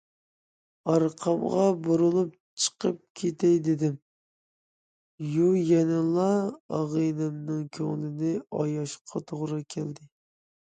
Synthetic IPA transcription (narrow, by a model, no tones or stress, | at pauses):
ɑɾqʰɑmʁɑbuɾʊlˠup̚t͡ʃʰə̥qʰəp̚kʲʰet̪ʰɛjd̪ɪd̪ɪm | jujɛnɪlˠɑɑʁɨnɨmnɨŋkʲʰøŋlɪnɪʔɑjɑʃqʰɑt̪ʰoʁɾɨkʲʰɛld̪ɪ